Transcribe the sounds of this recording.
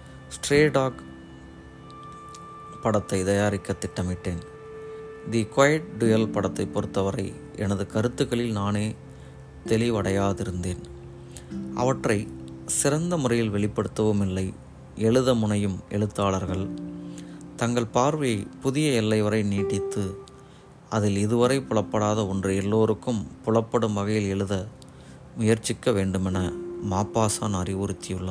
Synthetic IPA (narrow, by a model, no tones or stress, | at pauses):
sʈɾeːɖaːk | pɐɽɐt̪ːɐɪt̪ɐjaːɾɪkːɐt̪ːɪʈːɐmɪʈːeːn | d̪ikɐjɐʈ̚ɖʊjɐlpɐɽɐt̪ːɐɪpːɔɾɯt̪ːɐʋɐɾɐ̰ɪ | ɛnɐðɯkɐɾɯt̪ːɯɣɐɭɪlnaːneː | t̪ɛlɪʋɐɽɐjaːðɪɾɯnd̪eːn | ʔɐ̰ʋɐʈrɐɪsɪɾɐnd̪ɐmʊrɐjɪlʋɛɭɪpːɐɽɯt̪ːɐʋɯmɪlːɐɪ | ɛɭɯðɐmʊnɐjɯmɛ̰ɭɯt̪ːaːɭɐɾɣɐɭ | t̪ɐŋɡɐɭpaːɾʋɪjɐɪpʊðɪjɐɪlːɐɪʋɐɾɐɪniːʈːɪt̪ːɯ | ɐðɪlɪðɯʋɐɾɐɪpʊɭɐpːɐɽaːðɐɔndrɯɛlːoːɾɯkːɯmpʊɭɐpːɐɽɯmʋɐɣɐjɪlɛɭɯðɐ | mʊjɐɾt͡ʃɪkːɐʋeːɳɖɯmɛnɐmaːpːaːsaːnɐrɪʋɯɾɯt̪ːɪjɯɭːɐ